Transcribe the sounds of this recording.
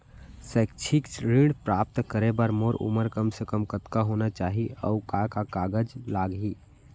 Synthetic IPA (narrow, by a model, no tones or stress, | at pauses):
sɛk̚t͡ʃʰikt͡ʃɾiɽpɾaːp̚t̪kəɾebəɾmoɾṵməɾkəmsekəmkət̪kaɦonat͡ʃaːɦiəukakakaɡəd͡ʒlaːɡɦi